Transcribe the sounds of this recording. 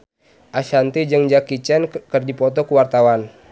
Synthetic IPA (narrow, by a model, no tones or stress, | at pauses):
ʔaʃant̪id͡ʒəŋd͡ʒakit͡ʃɛnkərdipɔt̪ɔkuwart̪awan